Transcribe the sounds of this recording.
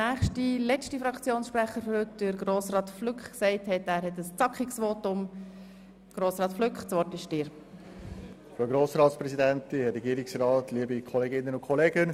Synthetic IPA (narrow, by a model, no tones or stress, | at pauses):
næːχʃtilɛt͡ʃtifɾɑkʰt͡sjoːnsʃpɾæχəɾfɔɾhʏtdɪɾɡroːsrɑːtflʏkχksɛɪthɛtæːɾhɛtəst͡sɑkχiksʋoːtʊm | ɡ̥ɾoːsɾɑːt̪flʏkχt͡sʋɔɾtɪʃd̥ɪːɾ | fɾoɡɾoːsɾɑːtspɾɛsidɛntiɾɛɡiːɾɪksɾɑːtʰliəbikʰɔleɡɪnːənʊnkʰχɔleːɡən